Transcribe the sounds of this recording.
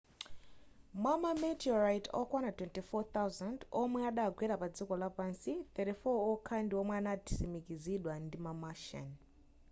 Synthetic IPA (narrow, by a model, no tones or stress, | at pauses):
mwamamɛtiɔɾajtʰɔ̰kwanatwɛntifɔt̪awzandɔmwɛaɗaɡʱwɛɾapad͡zikɔlapansit̪ɛɾifɔɔkʰandiɔmwɛanati̥simikiziɗwandimamaʃa̰n